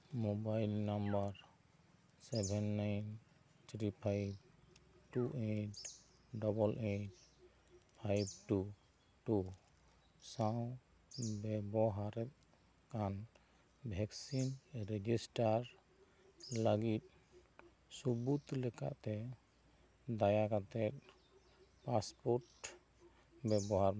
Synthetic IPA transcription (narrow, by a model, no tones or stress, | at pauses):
mobajlnambaɾ | sɛbʱɛnːajn | t̪ʰɾipʰajbʈuʔet | ɖɔbɔlʔet | pʰajb̚ʈu | ʈu | saw | bɛbɔɦaɾɛt̪̚ | kan | bʱɛksinɾɛd͡ʒisʈaɾ | laɡit̪̚ | subut̪lɛka̰ʔt̪ɛ | d̪ajakat̪ɛt̪̚ | paspɔɾʈ | bɛbɔɦaɾ